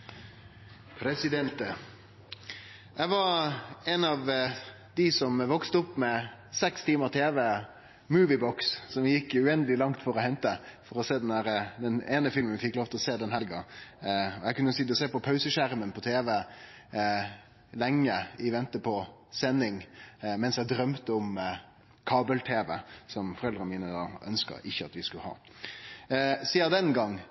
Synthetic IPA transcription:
pʰɾɛsɪd̪ɛnt̪ | æɪʋɑɛnɑʋ | d̪̥ɪsɔmʋɔkst̪əʊpːmɛsɛkst̪ʰiːməɾt̪ʰeːʋə | mʉːʋɪbɔkssɔmɪjɪkːʉɛnd̪əlɪlɑŋt̪fɔɾɔhɛnt̪əfɔɾɔseːd̪ɛndæːɾəd̪ɛneːnəfɪlmənfɪkːloːʋt̪ɛlɔseːd̪ɛnhælɡɑ | ɔjɛɪkʉnːəsid̪əseːpɔpʰɑʉsəʃæɾmənpʰɔt̪ʰeːʋə | lɛŋːəɪʋɛnt̪əpʰɔsɛnːɪŋmɛnsjæd̪ɾœmt̪əɔm | kʰɑːbəlt̪ʰeːʋə̰sɔmfɔɾɛld̪ɾəmiːnəd̪ɑ̰ːœ̰nskə̰ɾɪçːəɑ̰t̪ʋɪskʉlhɑ̰ː | siːɑd̪ɛnɡɑŋː

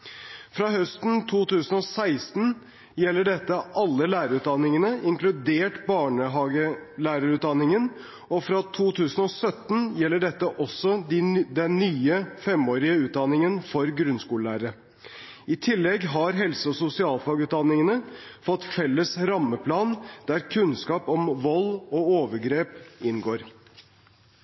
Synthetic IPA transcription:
fɾɑːɦœst̪n̩t̪ʰuːt̪ʉːsənɔsæɪst̪n̩ | jɛlːəɖɛt̪ːəʔɑlːəlæːɾəɾʉːt̪̚d̪ɑnːɪŋənəʔɪŋklʉd̪eːʈbɑːɳəɦɑːɡəlæːɾəɾʉːt̪d̪ɑnːɪŋən | ɔfɾɑt̪ʰuːt̪ʰʉːsən̩ɔsœt̪n̩jɛlːəɖɛt̪ːəʔɔsːɔd̪ɪd̪ɛnːyːəfɛmoːɾɪəʉːt̪̚d̪ɑnɪŋənfɔɾɡɾʉnskuːllæːɾəɾə | ɪt̪ʰɪlːɛɡɦɑɾɦɛlsəɔsʊsɪɑːlfɑːɡʉːt̪̚d̪ɑnːɪŋənəfɔt̪ːfɛlːəsɾɑmːəpʰlɑːnd̪̥æɾkʰʉnskɑːpɔmʋɔlɔoːʋəɾɡɾeːpɪnɡoːɾ

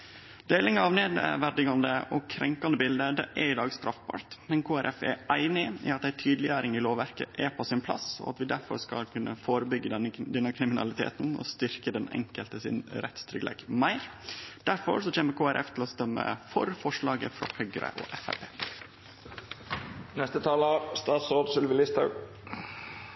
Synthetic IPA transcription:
d̪eːlɪŋɑʋneːd̪ə̰ʋæɖ̪ɪɡɑnd̪əʔɔkʰɾɛŋkɑnd̪əbɪld̪əd̪ɛ̰ʔɛɾɪd̪ɑːɡst̪ɾɑfbɑ̰ːɾt̪mɛnkʰoːæɾʔɛfɛ̰æɪnɪḭːɑt̪̚d̪æɪt̪ʰyːd̪lɪjæːɾɪŋɪloːʋæɾkəʔɛpʰɔsɪnpʰlɑ̰sɔ̰ɑ̰t̪ʋɪd̪æɾfɔɾskɑ̰lkʰʉnʔəfoːɾəbʏɡːəd̪ɛnːəkʰɾɪmɪnɑ̰lɪt̪ʰḛːt̪nɔ̰st̪ʏɾkəd̪ɛnɛ̰ŋkəlt̪əsɪ̰nɾɛ̰t̪st̪ʰɾʏklḛɡmæɪɾd̪̥æɾfɔ̰ɾsɔc͡çeːməkʰoːæɾʔɛft̪ʰlɔst̪œmːə̰fɔɾfɔʂɭɑːɡəfɾɑ̰hœʏɡɾə̰ʔɔ̰ʔɛfæpʰeː | nɛst̪ət̪ʰɑːləst̪ɑːt̪soːd̪sʏlʋɪlɪst̪hɑʉ

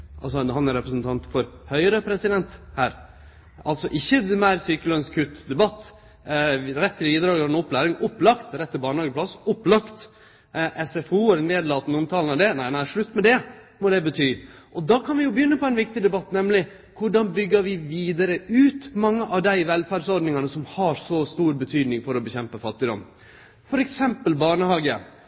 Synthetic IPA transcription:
ʔɑ̰lsɔhɑnæɾɛpɾəsnt̪ʰɑnt̪fɔɾhœʏəɾəpʰɾɛsɪd̪ɛnt̪hæːɾ | ɑlt̪sɔʔɪçːəmæɪɾsyːkəlœnskʰʉt̪ːd̪ɛbɑt̪ː | ɾɛt̪ːɪbiːd̪ɾɑːɡ̪ɛnʊpːlæːɾɪŋʊpːlɑkt̪ɾɛt̪ːəbɑːɳəhɑːɡəpʰlɑsʊpːlɑkt̪ | ʔɛsɛfuːɛɾneːd̪lɑːt̪nəʊmt̪ʰɑːlənɑd̪ɛnæɪnæɪʂɭʉt̪ːmɛd̪ɛ | mɔd̪ɛbət̪ʰyːʔɔd̪ɑːkʰɑnʋɪjʊbəjʏnːəpʰɔɛɪnʋɪk̚t̪ɪd̪ɛbɑt̪ːnɛmlɪ | kʰʊɖɑnbʏɡːəɾʋɪʋiːd̪ɑɾəʔʉːt̪mɑŋːəʔɑʋd̪æɪʋɛlfæːɖsɔɾɖnɪŋɑnəsɔmhɑɾsɔst̪uːɾbət̪ʰyːd̪nɪŋfɔɾɔbəçɛmpəfɑt̪ːɪd̪ɔ̰mː | fɔɾɛksɛmpəlbɑːɳəhɑːɡə

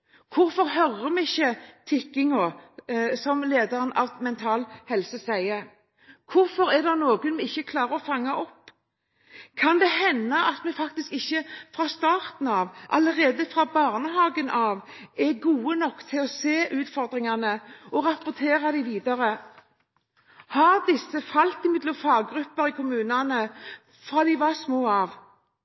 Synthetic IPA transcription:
kʰʊɾfɔʁɦœʁːəmɛɪçːət̪ʰɪkːɪŋo | sɔmleːd̪ɑʁənɑ̰ʋmɛnt̪ʰɑːlhɛlsəsæɪə | kʰʊɾfɔɾæd̪ɑnoːɡənmɛɪçːəkʰlɑːɾəɔfɑŋːɑʔɔpː | kʰɑnd̪ɛhɛnːɑʔɑt̪mɛfɑk̚t̪ɪskɪçːəfɾɑːst̪ɑːʁt̪n̩ɑʋʔɑləʁeːd̪əfʁɑːbɑʁnəɦɑːɡənʔɑʋɛɡuːənɔkːt̪ʰɪlɔseːʔʉːt̪fɔʁd̪ʁɪŋɑnəɔʁɑpʊʁt̪ʰeːʁɑd̪ɪʋiːd̪ɑʁə | hɑʁd̪ɪsːəfɑlt̪ɪmɪd̪lʊfɑːɡɾʉpːəɾikʰʊmʉːnɑnə | fɾɑːd̪ɪʋɑsmoːɑʋ

